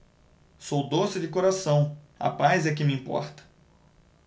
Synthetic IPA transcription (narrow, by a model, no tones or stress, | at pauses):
sowd̪osɪd͡ʒɪkoɾasɐ̃w̃ | ɐ̰pajzɛk̬ɪmɪiĩpɔ̰ɾt̪ɐ̥